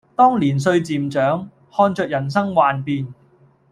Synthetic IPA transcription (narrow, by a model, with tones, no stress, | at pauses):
t̪ɔː˥ŋliː˨˩ns̬ɵ˧ɥt͡siː˨mt͡ʃœː˨˥ŋ | hɔː˧nt͡ʃœː˧k̚jɐ˨˩ns̬ɐ˥ŋwaː˨npiː˧n